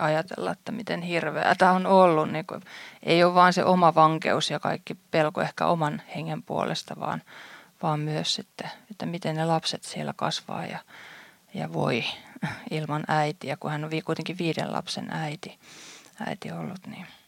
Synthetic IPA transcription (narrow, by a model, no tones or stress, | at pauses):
ɑjɑt̪ḛlːɑ̰et̪ːæmit̪enhirʋḛæt̪æonolːunniːŋkṵʔeioʋʋɑːnsḛʔomɑʋɑŋkḛusjɑkɑ̰ikːipelkoehkæ̰ʔomɑnheŋːempuo̰lḛst̪ɑʋɑ̰ːnʋɑːmmyøssit̪ːeet̪ːæmit̪ennelɑpset̪sielːækɑsʋɑ̰ːjɑ | jɑ̰ʋo̰i | ilmɑnæit̪iækuhænoʋiːkuit̪eŋkiʋʋiːɾḛlɑ̰psḛnæit̪iæ̰it̪iolːut̪ni